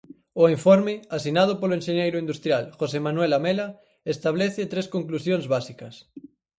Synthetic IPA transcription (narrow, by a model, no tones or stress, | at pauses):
oiɱfoɾmɪasinað̞opoloenʃeɲejɾʊind̪ust̪ɾjalxosemanuwelamela | est̪aβ̞leθet̪ɾeskoŋklusjonzβasikɐs